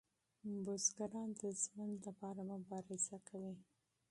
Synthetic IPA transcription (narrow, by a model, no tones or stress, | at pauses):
bʊzɡaɾɑnd̪əzmənlapɑɾamʊbɑɾɪzakʰawi